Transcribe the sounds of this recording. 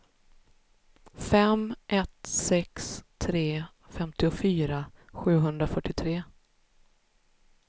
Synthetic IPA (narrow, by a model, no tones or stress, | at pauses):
fɛmʔɛt̪sɛkst̪ʰɾeː | fɛmt̪ɪʊfyːɾaɧʉ̟ːɦɵnd̪ɾafœʈːɪt̪ʰɾeː